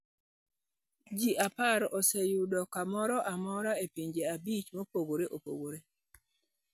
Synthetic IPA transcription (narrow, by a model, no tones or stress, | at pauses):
d͡ʒiʔapaɾɔsejudɔkamɔɾɔʔamɔɾaepiɲd͡ʒeabit͡ʃmopoɡoɾeʔopo̰ɡoɾe